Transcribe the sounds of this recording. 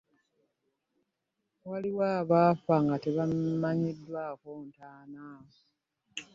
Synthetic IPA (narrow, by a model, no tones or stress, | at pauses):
waliwaːβaːfaːŋɡateβamaɲidːwaːkontaːna